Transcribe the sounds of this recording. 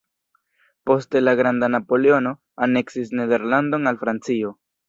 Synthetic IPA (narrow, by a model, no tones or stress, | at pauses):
po̞ste̞laɡɾandanapo̞leo̞no̞ | ane̞ksisne̞de̞ɾlando̞nalfɾant͡sio̞